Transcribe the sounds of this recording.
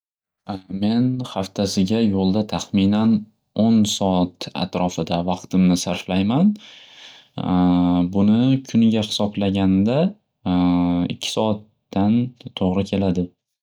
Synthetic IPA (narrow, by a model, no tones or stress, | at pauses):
me̞nhaft̪ʰasɪɡʲajolˠd̪at̪ʰaχminan | onsɒat̪a̰t̪ɾɒfɪd̪avɑqt̪ʰɪmnɪsaɾflajman | bʊnɪkʲʰʊnɪɡʲahɪ̥sɒblaɡʲand̪a | ɪ̰kʲʰːɪ̥sɒat̪ːant̪ʰoʁɾɪkʲʰe̞lad̪ɪ